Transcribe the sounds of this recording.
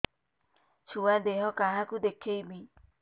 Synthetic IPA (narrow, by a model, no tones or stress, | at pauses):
t͡ʃuwadeɦɔkaɦakudekʰːeimĩ